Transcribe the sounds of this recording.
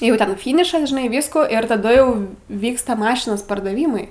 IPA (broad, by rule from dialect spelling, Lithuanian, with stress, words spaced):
jɛʊ ˈtʲɛn ˈfʲiːnʲɪʃɐs ʒʲɪˈnɐɪ ˈʋʲiːskoː ɪr tɐˈdʊ jɛʊ ˈʋʲiːkstɐ ˈmɑːʃʲɪnoːs pɐrdɐˈʋʲiːmɐɪ